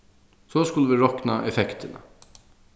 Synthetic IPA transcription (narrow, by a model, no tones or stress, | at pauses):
sɔːskʊlːəʋɪɹɔknaʔɛfɛkt̪ɪna̰